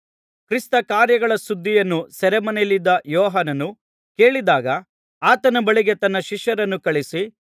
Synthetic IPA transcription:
kɾist̪ɐkaːɾjɐɡɐɭɐsud̪ʱːijɐnːusɛɾɛmɐnelid̪ːɐjɔːɦanɐnu | ke̞ːɭid̪aːɡɐ | aːt̪ɐnɐbɐɭiɡet̪ɐnːɐʃiʃjɐɾɐnːukɐɭisi

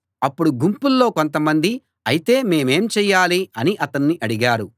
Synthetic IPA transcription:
ɐpːuɽuɡumpulːo̞ːko̞nt̪ɐmɐnd̪i | ɐjit̪e̞ːme̞ːme̞ːmt͡ʃɛːjːaːliɐniʔɐt̪ɐnːiʔɐɽiɡaːɾu

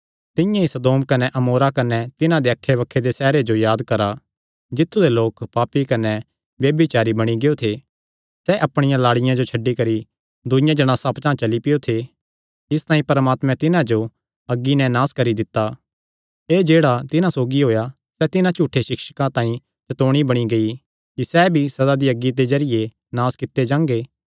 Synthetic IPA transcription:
t̪ɪ̃jãisɐd̪oːmkɐnɛʔɐmoːɾakɐnɛt̪ɪnãd̪eɐkʰːeʋɐkʰːed̪esɛːɾed͡ʒojaːd̪kɐɾa | d͡ʒɪt̪ʰːud̪eloːkpaːpikɐnɛ | ʋjɐːbɪt͡ʃaːɾibɐɽ̃iɡeot̪ʰe | sɛʔɐpɽ̃ɪjãlaːɽɪjãd͡ʒot͡ʃʰɐɖːikɐɾi | d̪ʊjãd͡ʒɐɽ̃aːsãpt͡ʃãːt͡ʃɐlipɪjot̪ʰe | ɪst̪ãːĩpɐɾmaːt̪mɛ̃t̪ɪnãd͡ʒo | ɐɡːinɛnaːskɐɾid̪ɪt̪ːa | eːd͡ʒeːɽat̪ɪnãsoːɡiɦoːja | sɛt̪ɪnãt͡ʃuːʈʰːeʃɪkʃəkãt̪ãːĩ | t͡ʃɐt̪oːɽ̃ibɐɽ̃iɡɐi | kisɛːbʱisɐd̪ad̪iɐɡːid̪ezɐɾɪje | naːskɪt̪ːed͡ʒãːŋɡeː

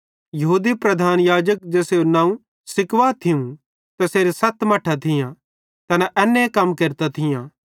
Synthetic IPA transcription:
jɐɦuːd̪ipɾɐd̪ʱaːnjaːd͡ʒək̚d͡ʒɛːseonãːũ | sɪkʋaːt̪ʰɪũ | t̪ɛseːɾesɐt̪mɐʈʰat̪ʰɪjã | t̪ɐnɛʔɛːnːekɐmkeːɾt̪at̪ʰɪjã

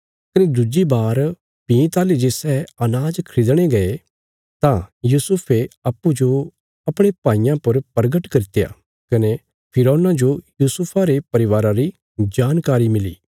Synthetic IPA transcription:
kɐned̪ʊd͡ʒibaːɾ | pĩt̪aːlid͡ʒeːsɛːɐnaːd͡ʒkʰɾɪd̪ɽ̃eɡɐe | t̪ãjuːsʊpʰeɐpːud͡ʒo | ɐpɽ̃epãːijãpɐɾpɐɾɡəʈkɐɾɪt̪ja̰ | kɐne | pʰɪɾɔːnãd͡ʒojuːsʊpʰaɾepɐɾɪʋaːɾãɾi | d͡ʒaːnkaːɾimɪlḭː

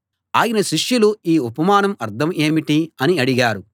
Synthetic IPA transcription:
a̰ːjinɐʃiʂjuluiːupɐmaːnɐmɐɾt̪ʰɐme̞ːmiʈiɐniɐɽiɡaːɾu

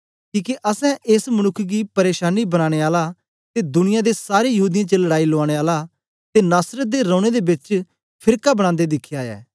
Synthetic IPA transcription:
kiːkeʔɐsɛ̃ʔesmɐñʊkʰːɡipɐɾeːʃaːnibɐɽ̃ãːɽ̃eaːla | t̪ed̪ʊnɪjãd̪esaːɾejɐɦuːd̪ɪjãt͡ʃelɐɽaːiloaːɽ̃eaːla | t̪enaːsɾət̪̚d̪eɾɔ̃ːɽ̃ed̪ebɪt͡ʃ | pʰɪɾkabəɽ̃ãːnd̪ed̪ɪkʰːjaːjɛ̰ː

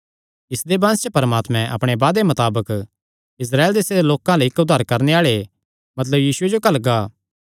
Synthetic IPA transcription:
ɪsd̪ebãːst͡ʃepɐɾəmaːt̪mɛ̃ʔɐ̰pɽ̃ebaːd̪emɐt̪aːbək | ɪs̬ɾaːeld̪eːsed̪eloːkãleɪkːʊd̪ʱːaːɾkɐɾneaːɭe | mɐt̪̬ləbjiːsʊed͡ʒokɐlɡaː

